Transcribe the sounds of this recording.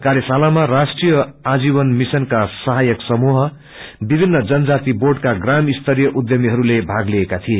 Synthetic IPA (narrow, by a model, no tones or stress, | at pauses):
kaɾjʌsalamarasʈrijʌad͡zibʌnmisʌnkasʌɦajʌksʌmuɦʌ | bibʱinːʌd͡zʌnʌd͡zat̪iborɖkaɡramist̪ʰʌɾijʌʔud̪jʌmiɦʌɾulebʱaɡliekat̪ʰie